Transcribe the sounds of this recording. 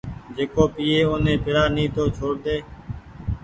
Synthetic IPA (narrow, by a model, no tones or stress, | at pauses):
d͡ʒeːkoːpiːeːoːnẽːpɪɽaːnĩːt̪oːt͡ʃʰoːɽd̪eː